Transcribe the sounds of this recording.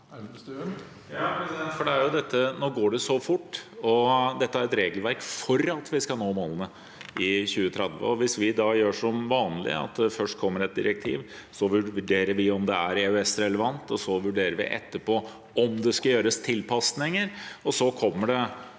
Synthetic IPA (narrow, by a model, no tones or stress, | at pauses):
jɑpɾɛsdɛnt̪fɔɖɛæɾjʊd̪ɛt̪ːənoːɡoːɖɛsɔfʊʈːɔd̪ɛt̪ːəæɾɛt̪ɾeːɡəlʋæɾkfɔɾɑt̪ʋɪskɑnoːmoːlənə | ɪçʉːət̪ʰɾɛd̪ʋə̰ɔʋɪsʋɪd̪ɑjøːʂɔmʋɑːnlɪ̰ɑ̰t̪̚d̪ɛfœʂʈ̚kʰɔmːəɾɛt̪̚d̪ɪ̰ɾək̚t̪ʰḭːʋ | sɔʋʉʋʉɖeːɾəɾʋɪɔmd̪ɛæɾeʉɛsɾɛləʋɑnt̪ɔsɔʋʉɖeːɾəɾʋɪ̰ʔɛ̰t̪ːəpʰɔ | ɔmd̪ɛskɑjøːɾəst̪ʰɪlpʰɑsnɪŋəɾɔsɔkʰɔmːəɖɛ